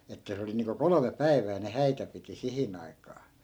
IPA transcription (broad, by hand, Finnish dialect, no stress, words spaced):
etːæ se oli niːŋko kolome pæi̯ʋˑæː ne hæitæ piti sihin ɑi̯kˑɑː